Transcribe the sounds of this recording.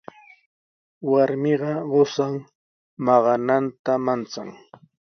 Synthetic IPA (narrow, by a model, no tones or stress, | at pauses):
waɾmɪɢɑɢosaŋ | mɑɢɑnant̪amant͡sa̰ŋ